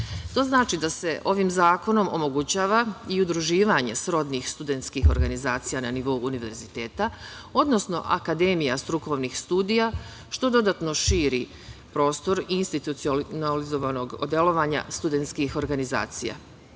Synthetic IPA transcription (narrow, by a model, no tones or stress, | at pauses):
t̪o̞ːznaːt͡ʃid̪ase̞ʔo̞ʋimzaːko̞no̞mo̰mo̞ɡut͡ɕaːʋaiud̪ɾuʒiːʋaɲe̞sɾo̞d̪nixst̪ud̪e̞nt̪skixo̞ɾɡanizaːt̪sijananiʋo̞uːniʋe̞̰ɾzit̪e̞ːt̪a | o̞d̪no̞sno̰ʔa̰kad̪e̞mijast̪ɾuko̞ʋnixst̪uːd̪ija | ʃt̪o̞d̪o̞d̪at̪no̞ʃiːɾi | pɾo̞ːst̪o̞ɾinst̪it̪ut̪siolnalizo̞ʋano̞ɡod̪jelo̞ʋaɲa̰st̪ud̪e̞nt̪skixo̞ɾɡaniza̰ːt̪sija̰